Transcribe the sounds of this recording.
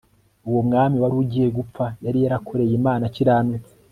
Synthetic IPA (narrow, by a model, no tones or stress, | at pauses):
uwomŋaːmiwaɾuɟije̞ɡup͡fajaɾijaɾakʰo̞ɾe̞jimaːnaciɾaːmɲe